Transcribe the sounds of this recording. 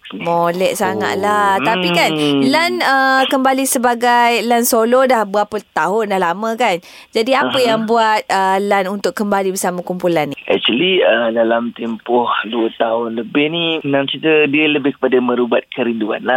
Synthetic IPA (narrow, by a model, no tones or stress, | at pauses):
molɛʔsaŋa̰ʔ̪̚lat̪apikanlanəkəmbalisəbaɡajlansolɔdahbapət̪aɦʊndahlamə̃kan | d͡ʒadiappəjaŋbuat̪̚əlanunt̪ʊkːəmbalibərsamə̃kumpulanːiʔɛ̰k̚t͡ʃəliədalamt̪ɛmpʊhduət̪aɦʊnləbɪhninaŋsit̪ədiələbɪhkə̥padamə̃ɾubat̪̚kəɾindua̰nla